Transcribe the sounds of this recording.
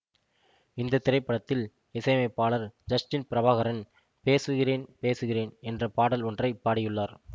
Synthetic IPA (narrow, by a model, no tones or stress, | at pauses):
ɪnd̪ɐt̪ːɪɾɐɪpːɐɽɐt̪ːɪl | ɪsɐɪmɐɪpːaːɭɐɾd͡ʒɐsʈɪnpɪɾɐʋaːɣɐɾɐn | peːsɯɣɪreːnpeːsɯɣɪreːnɛndrɐpaːɽɐlɔndrɐɪpːaːɽɪjɯɭːaːɾ